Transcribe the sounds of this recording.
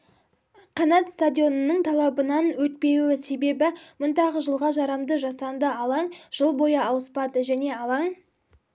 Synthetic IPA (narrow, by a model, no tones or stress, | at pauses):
qʰɑnɑt̪st̪ad̪ʲijo̞nənəɴt̪ʰɑlˠɑbənɑnwɵt̪̚pe̞wɪse̞be̞bɪmʊnt̪ɑʁəʒəlˠʁɑʒɑɾɑmd̪əʒɑsɑnd̪əɑlˠɑɴʒ̥əlˠbo̞jɑɑwəspɑd̪əʒæne̞ɑlˠɑɴ